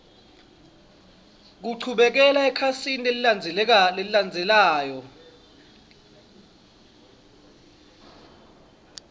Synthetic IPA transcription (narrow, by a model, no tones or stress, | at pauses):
k̬uǀʰuɓɛk̬ɛlaɛkʰasinileliand͡zʱɛleliland͡zʱɛlaːjɔ